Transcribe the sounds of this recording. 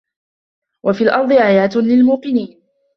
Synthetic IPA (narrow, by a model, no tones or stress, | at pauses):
wʔafiːlʔɑɾˤd̪ˤɨʕajaːt̪lɪlmuːqɨniːn